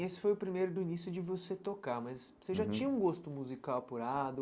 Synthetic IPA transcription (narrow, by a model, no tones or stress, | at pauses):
esɪ̥fojʊpɾimejɾʊd̪ʊinisjʊd͡ʒɪvoset̪okaɾmɐzoseʒat͡ʃĩɲɐũɡost̪ʊmuzikawɐpuɾad̪ʊ